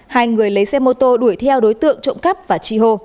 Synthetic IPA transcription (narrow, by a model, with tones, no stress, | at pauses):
haː˧˩jŋɨ˨˩əjlə˨˦jsɛ˧mo˧t̪o˧ɗu˧˩əjt̪ʰɛ˧wɗo˨˦jt̪ɨ̰˧˨əŋt͡ɕo̰˧˨wŋ͡mkə˦˥p̚vaː˨˩t͡ɕi˧ɦo˧